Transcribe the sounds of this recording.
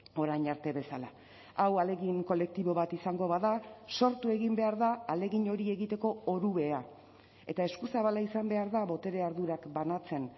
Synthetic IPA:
o̞ɾajɲaɾt̪e̞βe̞sala | awale̞ɣiŋko̞le̞k̚t̪iβo̞βat̪isaŋɡo̞βaðaso̞ɾt̪ue̞ɣimbe̞aɾðaːle̞ɣiɲo̞ɾie̞ɣit̪e̞ko̞oɾuβe̞a | e̞t̪aeskusaβalaisambe̞aɾðaβo̞t̪e̞ɾe̞aɾðuɾakbanat͡se̞n

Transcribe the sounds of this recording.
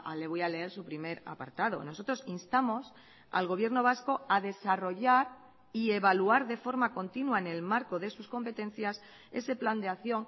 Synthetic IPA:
ale̞β̞ojale̞eɾsupɾime̞ɾa̰pa̰ɾt̪aðo̞̰no̞so̞t̪ɾo̞sinst̪amo̞s | a̰lɣ̞o̞β̞je̞ɾno̞β̞asko̞aðe̞saro̞ʝaɾ | ie̞βaluaɾðe̞fo̞ɾmako̞nt̪inwaene̞lmaɾko̞ðe̞susko̞mpe̞t̪e̞nθjas | e̞se̞pland̪eaθjo̞ŋ

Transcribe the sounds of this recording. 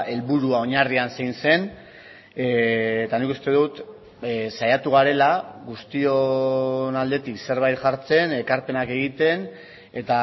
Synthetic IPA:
e̞lβuɾuao̞ɲariansejnse̞n | t̪anikust̪e̞ðut̪ | sajat̪uɣ̞aɾe̞laɣust̪ionald̪e̞t̪ikse̞ɾβ̞ajt̪ʝaɾt͡se̞ne̞kaɾpe̞nake̞ɣ̞it̪e̞n | e̞t̪a

